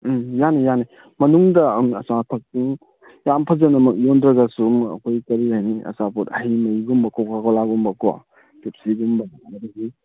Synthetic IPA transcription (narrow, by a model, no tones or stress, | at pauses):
janijani | mɐnuŋdɐmɐsatʰɐk̚siŋ | jampʰɐzɐnɐmɐk̚jondɾɐɡasumɐ̰kʰojkɐɾiajniɐ̰saputɐ̰ɦimɐiɡumbɐkɔkʰakɔlaɡumbɐkɔwa̰ | kep̚siɡumbɐnanɐdaɡi